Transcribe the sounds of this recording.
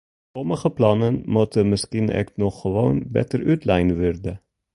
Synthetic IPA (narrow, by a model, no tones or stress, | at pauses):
pɔməxəpʰlɑːnənmɔt̪ʰəməskin̰ʔɛ̰k̪nɔxʋɑ̰ʊnbɛ̰t̪ɾʔʉːt̪ʰlæɪnʋʉɾd̪ə